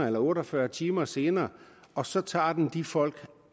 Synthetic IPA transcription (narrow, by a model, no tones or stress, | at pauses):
elɐɔ̽ːɾɐfɶɐt͡sʰiːmɐse̝ːnɐːʔɒ̽sɒ̽t͡sʰɑ̰̈ːd̥end̥ifɒ̽l̰ɡ̥